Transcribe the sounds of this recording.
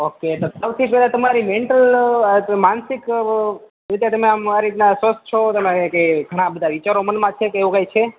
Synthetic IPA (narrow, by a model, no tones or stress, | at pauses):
oket̪osəʋt̪ʰipɛlat̪əmaɾimeɳʈəl | mansɪk | ɾit̪jat̪əmeamaɾit̪nasʋəst̪̚t͡ʃʰot̪əmekeɡʱəɽ̃ãbəd̪ʱaʋit͡ʃaɾomənmãt͡ʃʰekːʋũkajt͡ʃʰe